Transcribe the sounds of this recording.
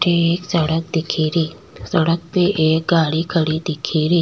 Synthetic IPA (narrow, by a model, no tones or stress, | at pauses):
ʈeeːksəɽək̚d̪ikʰiɾiː | səɽək̚peʔeːk̚ɡaɽikʰəɽid̪ikʰiɾiː